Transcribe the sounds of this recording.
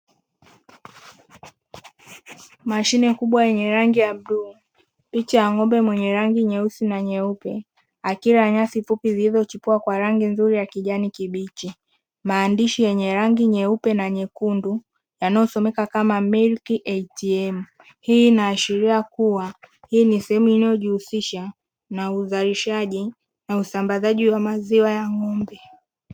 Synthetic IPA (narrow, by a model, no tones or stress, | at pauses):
maʃinɛkuɓwajɛɲɛɾaŋɡiamɗuː | pit͡ʃaaŋɔmbɛmwɛɲɛɾaŋɡiɲɛusinaɲɛupɛ | akiɾaɲasifupizilizɔt͡ʃipuakwaɾaŋɡinzuɾijakiʄanikiɓit͡ʃi | maːndiʃijɛɲɛɾaŋɡiɲɛupɛnaɲɛkundu | janajɔsɔmɛkakamamilkiʔɛtiɛm̩ | hiːnaːʃiɾiakuwa | hiːnisɛhɛmuinajɔʄihusiʃa | nauzaliʃaʄi | nausambazaʄiwamaziwajaŋɔmbɛ